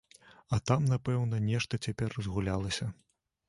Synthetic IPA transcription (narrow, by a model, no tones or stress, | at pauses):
ɐt̪amnapɛwnɐnʲɛʂt̪ɐt͡sʲapʲɛrzɣulʲalˠɐsʲɐ